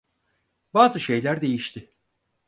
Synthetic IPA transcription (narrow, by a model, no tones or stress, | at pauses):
baːzɯʃe̞jlʲæɾd̪e̞jiʃt̪ʰɪ